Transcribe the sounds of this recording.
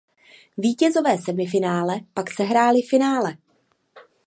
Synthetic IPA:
viːcɛzo̞vɛːsɛdmɪfɪnaːlɛpaksɛɦɾaːlɪfɪnaːlɛ

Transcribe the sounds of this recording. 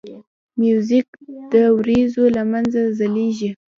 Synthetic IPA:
mjuzɪk̚d̪əwɾezolamanzazaleʒi

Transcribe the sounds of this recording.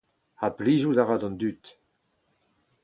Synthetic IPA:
apliːʒud̪aʁazɔ̃nd̪yt̪

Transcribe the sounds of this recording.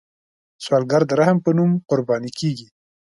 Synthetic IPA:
swɑlɡaɾd̪əɾahəmpənumqʊɾbɑnikeɡi

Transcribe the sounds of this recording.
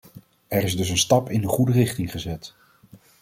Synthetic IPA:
ɛɹɪzdɵs̬ənstɑpɪndəχudərɪχtɪŋχəzɛt

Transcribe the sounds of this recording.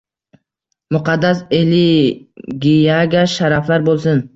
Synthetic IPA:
mʊqʰɑd̪ːaseli | ɡʲijaɡʲaʃaɾaflaɾbolˠsɪn

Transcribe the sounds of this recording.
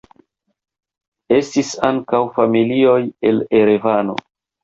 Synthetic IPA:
e̞stisaŋkawfamilio̞je̞le̞ɾevano̰

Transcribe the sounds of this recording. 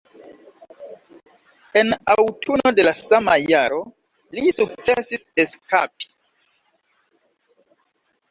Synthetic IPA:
e̞nawtʰuno̞de̞lasamajaɾo̞ | lisuk̚t͡sesiseska̰pi̥

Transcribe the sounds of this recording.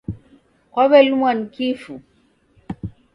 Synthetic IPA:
kɔβɛlumwankifu

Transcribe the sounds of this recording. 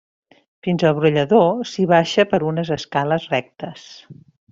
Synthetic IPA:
finzəlˠβɾuʎəðosiβaʃəpəɾunəzəskaləzrɛk̚t̪əs

